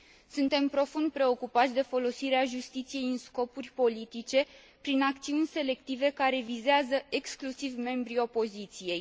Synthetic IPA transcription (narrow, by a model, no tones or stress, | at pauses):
sunt̪e̞mpɾo̞fund̪̚pɾe̞o̞kupat̪sʲd̪e̞fo̞lo̞siɾeaʒust̪it̪sije̞jɨnsko̞purʲpo̞lit̪it͡ʃe̞ | pɾinakt̪siunʲse̞le̞kt̪ive̞kaɾe̞vizeazəʔeksklusivme̞mbɾio̞po̞zit̪sije̞j